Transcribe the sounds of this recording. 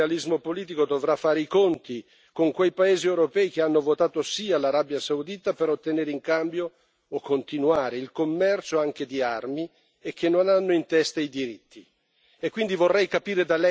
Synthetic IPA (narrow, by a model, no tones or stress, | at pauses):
alizmopoliːt̪̬ikod̪ovɾafːaːɾeikont̪i | koŋkwejpaeːziewɾopɛːik̟eanːovot̪aːt̪osialaɾabjasawd̪iːt̪apeɾot̪ːeneːɾeiŋkambjoː | kʰːont̪inuaːɾeilkomːɛrt͡ʃoaŋk̟ed̪iarmi | ek̟ːenːonanːoint̪ɛst̪aid̪iɾit̪ʰːi | ekːwind̪ivorːɛjkapiːɾed̪alɛ